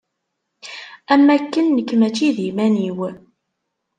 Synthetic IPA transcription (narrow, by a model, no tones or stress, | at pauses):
æmːækːənːəkːmæt͡ʃːiðimæniw